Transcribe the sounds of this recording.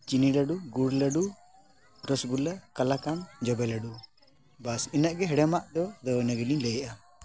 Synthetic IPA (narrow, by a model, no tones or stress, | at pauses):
t͡ʃinilaɖuɡuɽləɖu | ɾɔsɡulakalakamd͡ʒɔbɛlaɖu | basinaʔɡɛɦɛɽɛmaʔd̪ɔd̪ɔwnəɡililɛjʔa